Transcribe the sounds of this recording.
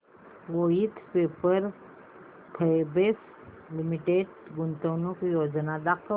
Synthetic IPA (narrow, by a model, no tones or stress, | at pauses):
ʋojit̪peːpəɾ | t̪ʰəebes | limiʈeːɖɡʊnt̪əːnũkjoːd͡ʒnad̪aq